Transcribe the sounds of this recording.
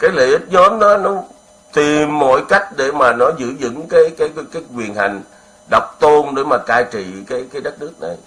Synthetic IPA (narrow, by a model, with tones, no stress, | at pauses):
kaː˨˦jlə̰˧˨ʔi˦˥t̚zɔ˨˦mnɔ˨˦nɔ˨˦ | t̪i˨˩mːo̰˧˥jka˦˥jk̟̚ɗe˧˩maː˨˩nɔ˨˦zɨ̰˧˥˨zɨ̰˧˥ŋkaː˨˦jkaː˨˦jkaː˨˦jkwi˨˩ənɦa˨˩jŋ̟ | ɗa˨˩wk͡p̚t̪o˧nɗe˧˩maː˨˩kaː˧jt͡ɕḭ˧˨kaː˨˦jkaː˨˦jɗə˦˥t̚nɨ˦˥ək̚na˨˩j